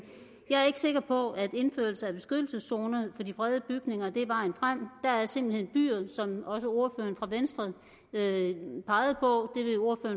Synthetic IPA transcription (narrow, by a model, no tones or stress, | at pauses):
jɑ̈ɪæɐe̝ɡ̥ə̥se̝ɡ̥ɐpʰɒ̽æd̥e̝nføɐlsəæb̥e̝sɡ̥ød̥l̩səsːo̝ːnəð̩ˠfɒ̽d̥ifʁɛð̞ˠəb̥yɡ̥ne̝ŋɐd̥e̝æɐbɑ̈ːenfʁam̰d̥ɑæɐse̝m̰b̥l̩he̝n̰b̥y̰ːɐsɒ̽mɒ̽s̬əo̝ɐfø̰ːɐnfʁɑ̈ʋensd̥ʁɐðˠ | øpʰɑ̈ɪð̞̩ˠpʰɒ̽d̥e̝ʋe̝o̝ɐfø̰ːɐn